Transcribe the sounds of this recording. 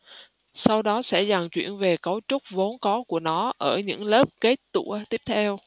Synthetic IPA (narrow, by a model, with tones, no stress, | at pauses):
sa˧wɗɔ˨˦sɛ̰˧˥za˨˩ŋt͡ɕwḭ˧˩˨ənve˨˩kə˨˦wt͡ɕʊ˦˥k͡p̚vo˨˦nkɔ˨˦ku˧˩ənɔ˨˦ʔəː˧˩ɲɨ̰˧˥ŋləː˦˥p̚ke˦˥t̚t̪ṵ˧˩˥ət̪i˦˥əp̚t̪ʰɛ˧w